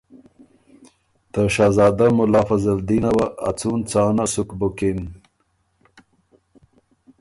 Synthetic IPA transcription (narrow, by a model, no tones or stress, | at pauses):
t̪əʃɑːzɑːd̪amʊlɑːfɐzɐld̪inɐwa̰ːt͡suːnt͡sɑːnasukbukin